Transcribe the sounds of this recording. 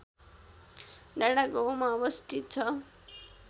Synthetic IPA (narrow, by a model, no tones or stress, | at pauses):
ɖaɽaɡowmaʌbʌst̪ʰit̪̚t͡sʰʌ